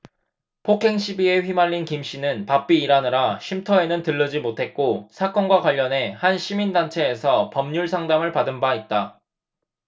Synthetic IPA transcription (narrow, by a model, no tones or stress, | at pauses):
pʰokʰe̞ŋɕʰibie̞ɸɥimaʎːinkimɕ͈inɯnpap͈iːɾanɯɾaɕʰimtʰʌe̞nɯntɯɭːʌd͡ʑimotʰe̞t̚k͈osʰak͈ʌnɡwaɡwaʎːʌnɦe̞hanɕʰimindant͡ɕʰe̞ːsʰʌpʌmɲuɭsʰaŋdamɯɭpadɯnbait̚t͈a